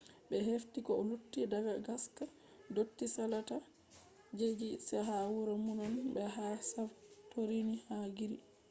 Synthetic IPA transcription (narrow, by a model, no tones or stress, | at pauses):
ɓɛɦeftikɔɔlutːidaɡaɡaska | dotːisalata | d͡ʒed͡ʒisɛɦawuɾamunɔnbɛɦasaftoɾinihaːɡiɾi